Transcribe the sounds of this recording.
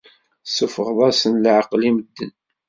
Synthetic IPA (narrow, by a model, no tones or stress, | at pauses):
səfəʁðˤæsənləʕqliməd̪ːən